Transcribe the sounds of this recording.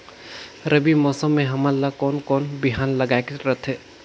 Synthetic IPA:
ɾəbimɔːsəmːẽɦɐmalakɔːnkɔːnbɪɦaːnlɐɡaːekeɾət̪ʰɦɛː

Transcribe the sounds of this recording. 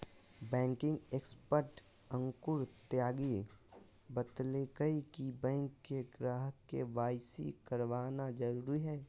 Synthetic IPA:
bɛ̃ːŋkɪ̃ŋɡeːkspəɾʈ | ə̃ŋkʊɾt̪jaːɡi | bət̪leːkəikibɛ̃ːŋkːeɡɾaːɦkːeʋaːjsḭkəɾʋaːnad͡ʒəɾuːɾiɦɛː

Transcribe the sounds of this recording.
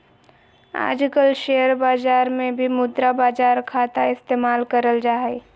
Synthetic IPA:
a̰ːd͡ʒkəlʃeːjəɾbaːd͡ʒaːɾmẽbʱimʊd̪ɾabaːd͡ʒaːɾkʰaːt̪aɪst̪eːmaːlkəɾəld͡ʒaːe

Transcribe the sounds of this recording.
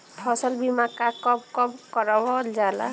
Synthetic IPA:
pʰɔsɔlbimakakɔp̚kɔpkɔɾɔbɔld͡ʒala̰

